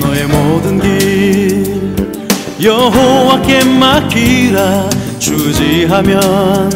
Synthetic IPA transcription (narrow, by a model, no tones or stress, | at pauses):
nʌemodɯnɡi | jʌɦowakemakʰiɾa | t͡ɕud͡ʑiɦamjʌn